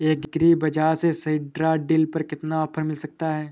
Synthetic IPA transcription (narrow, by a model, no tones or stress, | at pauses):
eːkɡɾiːbɐd͡ʒaːsesɐɪɖɾaɖɪlpɐɾkɪt̪naɔːpʰəɾmɪlsɐk̚t̪aɦɛː